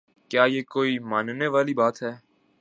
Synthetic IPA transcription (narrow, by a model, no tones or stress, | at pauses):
kjaːjeːkoːimaːnneʋaːlibaːt̪ɦɛː